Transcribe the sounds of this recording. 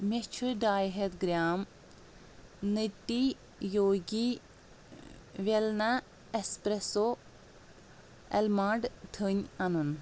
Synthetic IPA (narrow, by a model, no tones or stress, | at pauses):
mʲet͡ʃʰɨɖaːjɦet̪ɡɾʲaːm | nɨʈːi | joːɡi | ʋelna | espɾeso | elmaːɖt̪ʰɨɲɐnun